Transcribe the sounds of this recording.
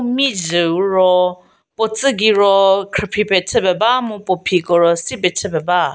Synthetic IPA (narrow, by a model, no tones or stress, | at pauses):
mizɯwɾɔ | pɔt͡səɡiɾɔkʰɨpʰipɛtʰəbɛbamupɔpʰikɔɾɔsibɛtʰəbɛba